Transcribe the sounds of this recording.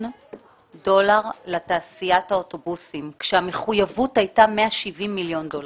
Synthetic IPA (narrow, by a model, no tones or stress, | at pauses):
do̞laʁlataːsijathaoto̞busimkʃeame̞χujavuthajtameaʃivimːiljo̞ndol